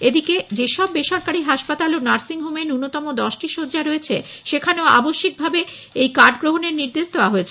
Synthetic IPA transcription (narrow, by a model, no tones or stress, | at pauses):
ed̪iked͡ʑeʃɔbːeʃɔɾkaɾiɦaʃpat̪alonaɾsiŋɦumenunːot̪ɔmod̪ɔʃʈiʃod͡ʑaɾoet͡ɕʰe | ʃekʰaneoa̰boʃːik̚bʱabe | ejkaɾɖɡɾoɦoneɾniɾd̪eʃd̪eoaɦoet͡ɕʰe